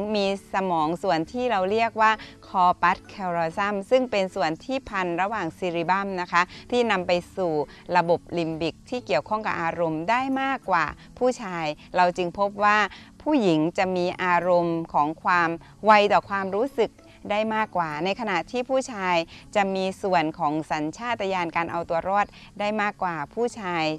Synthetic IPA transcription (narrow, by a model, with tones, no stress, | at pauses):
miː˧sa˧mɔː˩˦ŋsu˨˩ənt̪ʰiː˥˩ɾa˧wɾi˥˩ək̚waː˥˩kʰɔː˧pa˦˥t̪̚kʰɛː˧wɾɔː˧sa˥˩msɯ˥˩ŋpe˧nsu˨˩ənt̪ʰiː˥˩pʰa˧nɾa˧waː˨˩ŋsiː˧ɾiː˧ba˥˩mna˦˥kʰa˦˥t̪ʰiː˥˩na˧mpa˧jsuː˨˩ | ɾa˧bo˨˩p̚li˧mbi˨˩k̚t̪ʰiː˥˩ki˨˩əwkʰɔ˥˩ŋka˨˩p̚ʔaː˧ɾo˧mdaː˥˩jmaː˥˩kːwa̰ː˨˩ | pʰuː˥˩t͡ɕʰaː˧j | ɾa˧wt͡ɕɯ˧ŋpʰo˦˥p̬̚waː˥˩pʰuː˥˩ji˩˦ŋt͡ɕa˨˩miː˧ʔaː˧ɾo˧mkʰɔː˩˦ŋkʰwaː˧m | wa˧jt̪ɔː˨˩kʰwaː˧mɾuː˦˥sɯ˨˩k̚ | daː˥˩jmaː˥˩kːwaː˨˩na˧jkʰa˧na˨˩ʔt̪ʰiː˥˩pʰuː˥˩t͡ɕʰaː˧jt͡ɕa˨˩miː˧su˨˩ənkʰɔː˩˦ŋsa˩˦nt͡ɕʰaː˥˩t̪̚ːa˧jaː˧nkaː˧nʔa˧wt̪u˧ɐɾɔː˥˩t̪̚ | daː˥˩jmaː˥˩kːwaː˨˩pʰuː˥˩t͡ɕʰaː˧j